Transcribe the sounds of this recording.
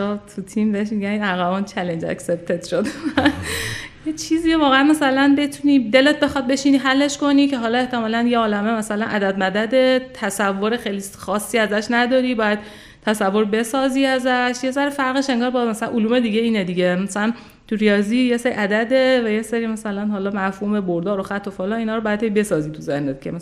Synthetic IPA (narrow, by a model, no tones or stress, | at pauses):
ɒt̪ʰut̪ʰimbeeʃmiɡʲæninæɣæbɒnt͡ʃʰælend͡ʒæ̰ksep̚t̪ʰet̪ʃod̪ | jet͡ʃʰiziːovɒːɣeænmæsælænbe̞t̪ʰuniːd̪e̞let̪̚be̞xɒd̪̚be̞ʃiːniɦælːe̞ʃko̞niːcʰe̞ɦɒːlɒːe̞ht̪ʰe̞mɒːlænjeɒːlæme̞mæsælænʔæd̪æd̪̚mæd̪æd̪e̞t̪ʰæsævːo̞ɾe̞xejlixɒːsːiːæzæʃnæd̪ɒːɾiːbɒːjæd̪̥̚ | tʰːæsævːo̞ɾbe̞sɒːziːæzæʃjes̬æɾifæɾɣeʃe̞ŋɡɒːɾbɒzmæsælæ̰nʔoluːme̞d̪iːɡeiːned̪iːɟemæsælæn | t̪ʰuɾijɒːziːjeseɾḭʔæd̪æd̪e̞væjeseɾiːmæsælænhɒːlɒːmæɾfhume̞boɾd̪ɒːɾoxæt̪ʰːofolɒːniːnɒːɾobɒjæd̪hejbe̞sɒːziːt̪ʰuzehnet̪̚cʰḛmæ